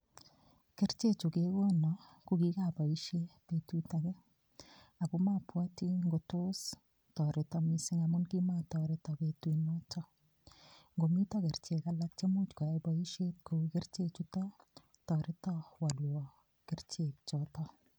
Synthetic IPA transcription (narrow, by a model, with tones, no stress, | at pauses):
kɪ˦ɾt͡ʃe˦t͡ʃu˨ke˦ɡo˦nɔ˨ | kuki˦ka˨ba˨i˦ʃe˦pe˨tu˦ta˨kɛ˦ | a˨bu˦ma˦pwa˦ti˦ŋɡotʊ˦s | tɔ˨ɾɪ˦tɔ˦misɪ˦ŋa˨mʊ˦nki˦ma˦tɔ˨ɾɪ˨tɔ˨be˨twi˨nɔ˦t͡ʃɔ˦ | ŋɡo˨mi˦tɔ˦kɪ˨ɾt͡ʃe˨ka˦la˦k̚t͡ʃe˦mu˦t͡ʃka˨eba˦i˦ʃe˦t̚ku˨kɪ˦rt͡ʃe˦t͡ʃu˦tɔ˦ | tɔ˨ɾɪ˦tɔ˦wa˨lwɔ˨ | kɪ˦rt͡ʃe˨k̚t͡ʃɔtɔ˦